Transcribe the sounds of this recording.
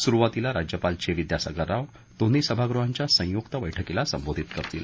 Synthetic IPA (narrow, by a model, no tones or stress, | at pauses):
suɾuʋat̪ilaɾad͡ʑjəpalt͡ɕeʋid̪jasa̰ɡəɾaʋ | t̪onːisəbʱaɡɾuɦaɲt͡ɕjasə̃jokt̪əʋəjʈʰəkelasəmbod̪ʱit̪kəɾt̪ḭl̰